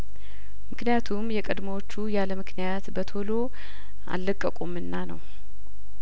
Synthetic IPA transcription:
mɨknijat̪ʰumjɛkʼəd̪məwot͡ʃːujaləmɨkʰnijat̪bət̪ʰo̞lo | ʔa̰lːəkʼːəkʼumɨnːanə̰w

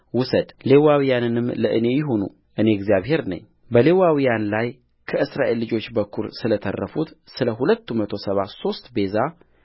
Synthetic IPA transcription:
wʊsəd̪le̞wawijanɨnɨmləʔɨne̞jɪɦonṵ | ʔɨne̞ɛɡzijaβhe̞ɾnə̰ɲː | bəle̞wawijanlaj | kʰəɨsɾaʔe̞lːɨd͡ʒo̞t͡ʃːbəkʰːuɾsɨlət̪ʰə̰rːəfut̪sɨləɦulət̪ːumət̪ʰo̞səβaso̞st̪be̞za

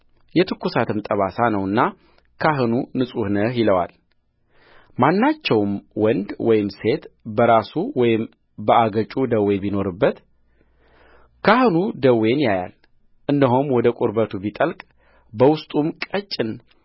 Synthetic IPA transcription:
jɛt̪ʰɨkːusat̪ʰɨmt̪ʼəβasanəwɨnːa | kʰaɦɨnunɨsʼuhnəjɪləwa̰l | manːat͡ʃːɛwmwɔnd̪wɔjɪmse̞t̪bəɾasuwɔjɪm | bəaɡət͡ʃʼud̪əwebino̞ɾɨbːət̪ | kʰahɨnud̪əwe̞njaja̰l | ʔɨnd̪əɦomwɔd̪əkʼʊɾbət̪ʰubit̪ʼəlkʼ | bəwʊst̪ʼumkʼət͡ʃʼːɪn

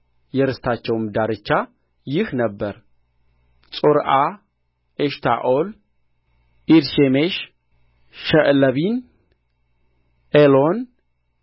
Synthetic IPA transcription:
jɛɾɨst̪ʰat͡ʃːɛwmd̪aɾɨt͡ʃːa | jɪhnəbːəɾ | t͡sʼoɾʔa | ʔeʃt̪ʰa̰ʔol | ʔiɾʃemeʃ | ʃəʔləβin | ʔelon

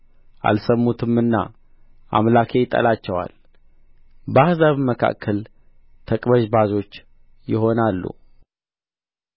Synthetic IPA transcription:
ʔa̰lsəmːut̪ʰɨmːɨnːa̰ | ʔa̰mlakʰejɪt̪ʼːə̰lat͡ʃːɛwa̰l | bahzaβməkʰa̰kʰːəl | t̪ʰəkʼbəʒbazo̞t͡ʃː | jɪɦo̞nalːṵ

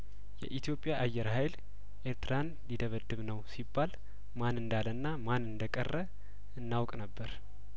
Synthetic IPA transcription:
jɛ̰ʔit̪ʰjo̞pʼjaʔajːɛɾhajl | ʔeɾt̪ɾan | lid̪əβəd̪ɨβnəwsibːal | manɨnd̪alənːamanɨnd̪əkʼə̰rːə | ɨnːawkʼnəbːəɾ

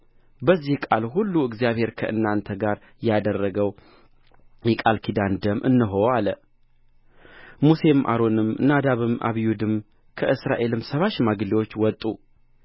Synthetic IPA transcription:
bəzːihkʼalhulːuɨɡzijaβhe̞ɾkʰəʔɨ̰nːant̪ʰəɡaɾ | jɛad̪ərːəɡəw | jɛkʼalkʰid̪and̪əmʔɨ̰nːɨɦoalə | muse̞mʔa̰ɾo̞nɨmnad̪aβɨmʔa̰βijud̪ɨm | kʰəʔɨsɾaʔe̞lɨmsəβaʃmaɡliwot͡ʃːwɔt̪ʼu

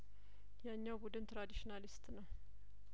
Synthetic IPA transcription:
jɛɨɲːawbud̪ɨnt̪ʰɾad̪iʃinalist̪nəw

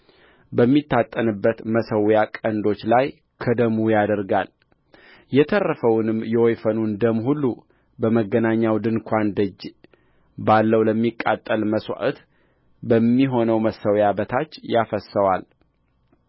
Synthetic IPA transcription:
bəmːit̪ːat̪ʼːənɨbːət̪məsəwjakʼənd̪o̞t͡ʃːlaj | kʰəd̪əmujad̪əɾɡal | jɛt̪ʰərːəfəwnɨmjɛwojfənund̪əmhulːu | bəməɡːənaɲːawd̪ɨnkʷʰand̪əd͡ʒː | balːəwləmːikʼːat̪ʼːəlməswa̰ʔət̪ | bəmːiɦo̞nəwməsəwjabət̪ʰat͡ʃːjafəsːəwal

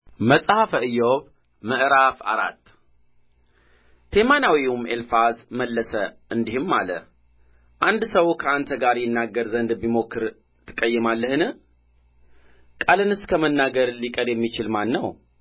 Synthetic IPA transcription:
məsʼhafəɨjoβ | məʔɾafa̰ɾa̰t̪ː | t̪ʰemanawiumelfazməlːəsəʔɨnd̪ihɨmːa̰lə | ʔand̪səwkʰəant̪ʰəɡaɾjɪnːaɡːəɾzənd̪bimo̞kːɨɾ | t̪ʰɨ̥kʼːəjːɛmalːəhɨnɨ | kʼalɨnɨskʰəmənːaɡəɾlikʼəd̪jɛmːit͡ʃɪlmanːəw

